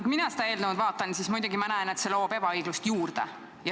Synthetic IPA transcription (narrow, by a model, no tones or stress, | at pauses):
kuminɑsed̪ɑe̞ːld̪ɑnud̪vɑːt̪ːˑɑnsismujd̪uɡimɑnæene̞t̪se̞lo̞ːbe̞b̥ɑɤjɡ̥lust̪juːrd̪̥e | jɑ